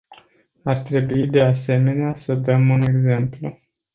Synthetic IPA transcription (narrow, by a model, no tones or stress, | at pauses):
art̪ɾe̞buid̪e̞ase̞me̞neasəd̪əmune̞ɡze̞mplu